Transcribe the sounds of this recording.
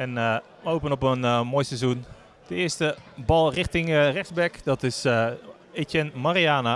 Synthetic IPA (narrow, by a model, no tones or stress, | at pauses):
ɛn | əowpənɔpənmoːjsɛzun | d̥əɪəstəbɑlˠrɪχtɪŋrɛksbɛkdɔtɪs | etɛnmariaːna